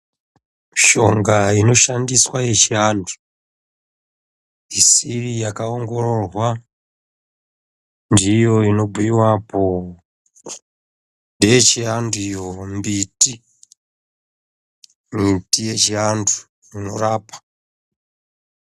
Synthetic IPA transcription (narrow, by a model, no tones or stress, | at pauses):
ʃo̞ŋɡaino̞ʃandiswaje̞t͡ʃiandu̥ | isirijakaoŋɡo̞ɾo̞rwa | ndijo̞ino̞bʱuiwapo | ndejet͡ʃianduijombiti | mitije̞t͡ʃiandu̥ | jino̞ɾaːpḁ